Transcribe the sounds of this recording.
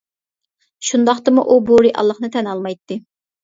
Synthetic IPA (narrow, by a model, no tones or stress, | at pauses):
ʃund̪ɑχt̪ɨmuʔuboɾiʔɑ̰lˠːəχnɨt̪ʰɛnɑlˠmɑjt̪ːɨ